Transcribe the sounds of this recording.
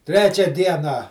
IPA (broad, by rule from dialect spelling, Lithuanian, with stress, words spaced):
ˈtʲrʲæːt͡ʃʲɛ ˈdʲiɛnɑː